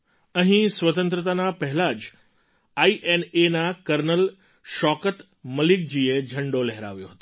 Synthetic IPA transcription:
ɐ̃ɦĩsʋɐt̪ə̃nt̪̬ɾət̪anapɐɦɪlaːd͡ʑ | aːiʔenenãkɐɾnəl | ʃɔːkət̪ | mɐlɪk̚d͡ʑiːed͡ʑʱɐ̃ɳɖolɛɦɪɾa̰ːʋijoɦɐt̪o

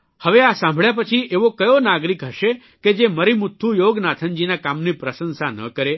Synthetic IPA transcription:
həʋeasãmbʱɭjap̬ət͡ʃʰiʔeʋokəjonaɡɾikɦəʃe | ked͡ʒeməɾimʊt̪ʰːujoɡnat̪ʰənd͡ʒinakamnipɾəsənsanə̰kəɾe

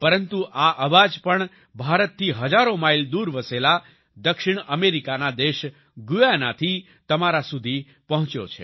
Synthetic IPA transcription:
pəɾənt̪uʔaʔəʋad͡ʒpəɳ | bʱaɾət̪ʰːiɦəd͡ʒaɾomaild̪uɾʋəsela | d̪əkʃɪɽ̃əmeɾikanad̪eʃ | ɡujanat̪ʰi | t̪əmaɾasud̪ʱi | pəɦʊ̃t͡ʃjo̰t͡ʃʰḛ

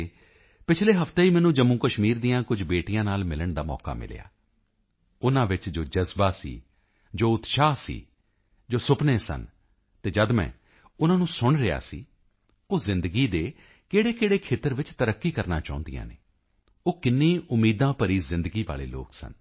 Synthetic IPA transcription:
pɪt͡ʃʰleːɦəft̪eːiːmɛːnũːd͡ʒəmːũːkəʃmiːɾd̪ijãːkʊd͡ʒbeːʈijãːnaːlmɪləɳd̪aːmɔ̰ːka̰ːmɪ̰l̰ja̰ː | ʊnãːʋɪt͡ʃd͡ʒoːd͡ʒəzbaːsḭː | d͡ʒoːʊt̪ʃaːsḭː | d͡ʒoːsʊpneːsə̰n | t̪eːd͡ʒəd̪mɛ̰̃ː | ʊnãːnũːsʊɳɾɪja̰ːsḭː | oːzɪ̃nd̪əɡiːd̪eː | keːɽeːkeːɽeːkʰeːt̪əɾʋɪt͡ʃt̪əɾəkːiːkəɾna̰ːt͡ʃaːʊ̃nd̪ḭjã̰ːnḛː | oːkɪnːĩːʔʊmːiːd̪ãːpəɾiːzɪ̃nd̪əɡiːʋa̰ːlḛːlo̰ːksə̰n

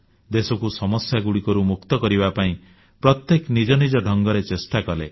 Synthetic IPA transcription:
d̪esɔkusɔmɔsjaɡuɽikɔɾumukt̪ɔkɔɾibapaĩ | pɾɔt̪jeknid͡ʒɔnid͡ʒɔɖʱɔŋɡɔɾet͡ʃesʈakɔle

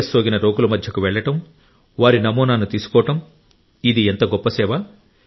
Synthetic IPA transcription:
soːɡinɐɾo̞ːɡulɐmɐd̪ʱjɐkuʋɛɭːɐʈɐm | ʋaːɾinɐmuːnaːnut̪iːsu̥kɔːɐʈɐm | id̪ient̪ɐɡɔpːɐsɛːʋɐ

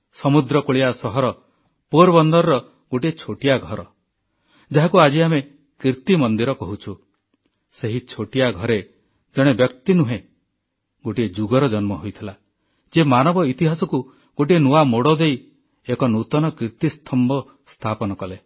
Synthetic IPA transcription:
sɔmud̪ɾɔkoɭiasɔɦɔɾɔ | poɾbɔnd̪ɔɾɾɔ | ɡ̥oʈiet͡ʃʰoʈijaɡʱɔɾɔ | d͡ʒaɦakuad͡ʒiame | kɾiɾt̪imɔnd̪iɾɔkɔɦut͡ʃʰu | seɦit͡ʃʰoʈijaɡʱɔɾe | d͡ʒɔɽ̃ebjɔkt̪inuɦẽ | ɡoʈied͡ʒuɡɔɾɔd͡ʒɔnmɔɦojt̪ʰila | d͡ʒemanɔbɔit̪iɦasɔku | ɡ̥oʈ̬ienuwamoɽɔd̪ej | ekɔnut̪ɔnɔkɾiɾt̪ist̪ʰɔmbɔ | st̪ʰapɔnɔkɔle

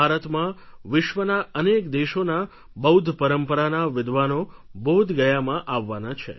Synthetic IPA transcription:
aɾət̪mãʋɪʃʋənaənekd̪eʃona | bəud̪ʱpəɾəmpəɾanaʋɪd̪ʱʋanobəud̪ʱɡəjamãʔaʋːanat͡ʃʰḛ

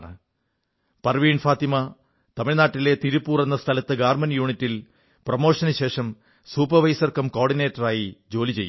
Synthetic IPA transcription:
ɳɨ̰ | pɐrʋiːɳfaːt̪imɐ | t̪ɐmiɭnaːʈːile̞t̪iɾupːuːre̞nːɐst̪ʰɐlɐt̪ːɨɡaːrmɐnjuːɳitːil | prɐmo̞ːʂɐnɨɕe̞ːʂɐm | suːpɐʋɐjsɐrkɐmko̞ːrɖine̞ːtːɐraːjid͡ʑo̞ːlit͡ɕe̞jːu

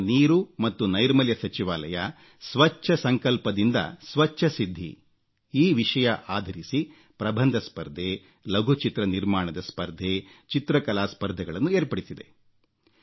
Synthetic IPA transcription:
niːɾumɐt̪ːunɐjɾmɐljɐsɐt͡ʃiʋaːlɐjɐ | sʋɐt͡ʃːɐsɐŋkɐlpɐd̪ind̪ɐ̰sʋɐʃʰɐsid̪ʱːḭ | iːʋiʂɐjɐʔaːd̪ʱɐɾisi | pɾɐbʱɐnd̪ʱɐspɐɾd̪ʱe | lɐɡʱut͡ʃit̪ɾɐniɾmaːɳɐd̪ɐspɐɾd̪ʱet͡ʃit̪ɾɐkɐlaːspɐɾd̪ʱɐɡɐɭɐnːueːɾpɐɽisid̪e̞̰

